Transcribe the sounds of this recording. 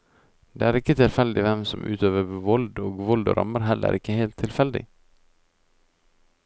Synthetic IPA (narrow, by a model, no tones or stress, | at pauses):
d̪ḛːæːɾɪkət̪ʰɪlfɛld̪ɪʋɛmsɔmʔʉ̰ːt̪ʰøːʋəʋɔld̪oːɡʋɔld̪ɔ̰ɾʔɑ̰məɾɦɛlə̰ɾʔɪkːəheːlt̪ʰːɪlfɛld̪ɪ̰